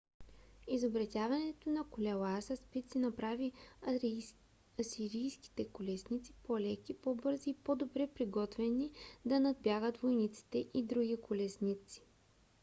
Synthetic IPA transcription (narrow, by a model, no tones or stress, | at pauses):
izobɾɐt̪ʲjavɐnɛt̪onɐkolʲɛlˠasɐspit̪sinɐpɾavi | ɐsiɾijski̥t̪ɛkolɛsnʲit̪si̥polɛkʲipobɤɾziːpod̪obɾɛpɾiɡɔt̪vɛnid̪ɐnɐd̪̚bjaɣət̪vojnit̪si̥t̪ɛʔid̪ɾuɡʲikolɛsnit̪si̥